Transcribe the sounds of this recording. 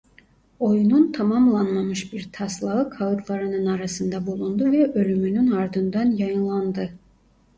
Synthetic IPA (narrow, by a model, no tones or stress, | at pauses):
o̞jununt̪ʰamamlˠanmamɯʃbiɾt̪ʰaslˠaɯkʰaɯt̪ʰlˠaɾɯnɯnaɾasɯnd̪abulˠund̪uvɛʔø̞lʲymynynaɾd̪ɯnd̪anjɑjɯnlˠand̪ɯ